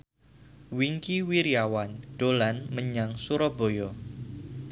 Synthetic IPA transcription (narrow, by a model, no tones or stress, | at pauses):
wiŋkiwiɾiawand̥olanməɲaŋsuɾobojo